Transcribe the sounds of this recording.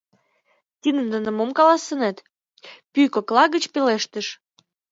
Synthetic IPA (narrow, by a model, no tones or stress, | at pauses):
t̪ʲid̪ə̆nd̪ə̆nə̆momkɑlɑsə̆net̪ | pykoklɑɣə̆t͡ɕpeleʃt̪ə̆ʃ